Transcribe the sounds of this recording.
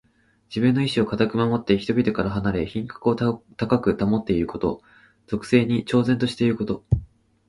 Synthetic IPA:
d͡ʑibɯ̟̃nːo̞iɕio̞kat̪akɯ̟mamo̞t̪ːeçit̪o̞bʲit̪o̞kaɾaɦanaɾe̞çĩŋkḁkɯ̟o̞t̪akakɯ̟t̪amo̞t̪ːe̞iɾɯ̟ko̞t̪o̞̰ | z̥o̞kɯ̟̥se̞ːɲ̟it͡ɕo̞ːzent̪o̞ɕi̥t̪e̞iɾɯ̟ko̞t̪o̞

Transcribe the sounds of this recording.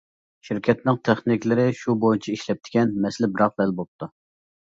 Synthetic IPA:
ʃiɾkʲʰɛt̪̚nɪŋt̪ʰɛχnɪkʲlɪɾɪʃubojut͡ʃʰɛiʃlɛp̚t̪ʰɪ̥kʲɛnmɛslɪbɪɾɑq̚bɛlbop̚t̪ʰu

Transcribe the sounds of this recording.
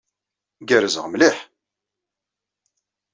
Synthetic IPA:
ɡəɾəzəʁmliħ

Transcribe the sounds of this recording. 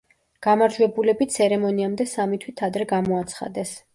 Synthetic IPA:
ɡ̥amaɾd͡ʒwɛbulɛbit̪t̪sʰɛɾɛmɔniamd̪ɛsamit̪ʰwit̪ʰad̪ɾɛɡamɔat̪sʰχa̰d̪ɛs

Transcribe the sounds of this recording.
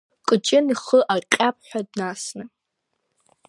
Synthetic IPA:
qʼɨt͡ʃʼɪniχəʔaqʲʼap̚ʰħʷᶣadnasnɨ

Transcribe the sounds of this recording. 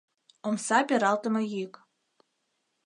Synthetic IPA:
omsɑpʲeɾɑlt̪ə̆mɤ̆jik

